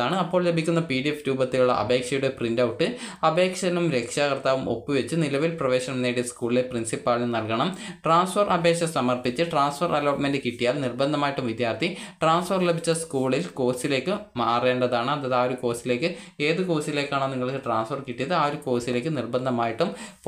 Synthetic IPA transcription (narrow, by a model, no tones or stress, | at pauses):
aːɳɨɐpːo̞ːɭle̞bʱikʲːunːɐpiɽiefɾuːbɐt̪ːiluɭːɐ̰ʔɐ̰be̞ːkʂɐjuɽeprindɐwʈːɨɐbe̞ːkʂɐnumɾe̞kʂaːkɐrt̪aːʋumo̞̰pːɨʋet͡ɕːɨnilɐʋilprɐʋeːɕɐnmnːeɽeskuːɭileprinsipːaːɭinnɐlkɐɳɐmʈraːnsfɐrʔɐbeːkʂɐsɐmɐrpit͡ɕːɨʈraːnsfɐrʔɐloːʈmendɨkiʈːijaːlnirbɐnd̪ʱɐmaːjiʈːumʋid̪jaːrt̪ʰiʈraːnsfɐrle̞bʱit͡ɕːɐskuːɭilko̞ːsile̞ːkːɨmaːreːɳɖɐðaːɳɨɐðɐðaːoɾuko̞ːsile̞ːkːɨe̞ːðɨko̞ːsile̞ːkːaːɳɐniŋːɐɭkːɨʈraːnsfɐrkiʈːijɐðɨaːoɾuko̞ːsile̞ːkːɨnirbɐnd̪ʱɐmaːjiʈːump